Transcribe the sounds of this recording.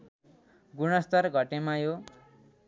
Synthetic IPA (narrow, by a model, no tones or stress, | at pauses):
ɡuɽʌst̪ʌrɡʱʌʈemajo